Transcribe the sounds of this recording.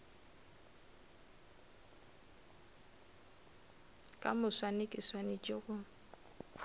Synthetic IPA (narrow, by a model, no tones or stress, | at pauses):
kʼa̰mʊswanekʼɪswanɪt͡ʃʼɪɣʊ